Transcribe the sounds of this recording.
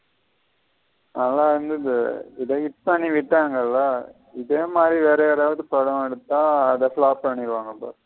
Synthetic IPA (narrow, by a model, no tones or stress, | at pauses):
nɐlːaːɪɾɯnd̪ɯðɯɪðɐkɪʈ̚pɐɳːiʋɪʈːaːŋɡɐlːaː | ɪðeːmaːd̪ɾiʋeːɾɐɾaːʋɐðɯpɾɔɽɐmɛɽɯt̪ːãːɐðɐfɭaːpːɐɳːɪɾɯʋaːŋɡɐpa̰ːɾ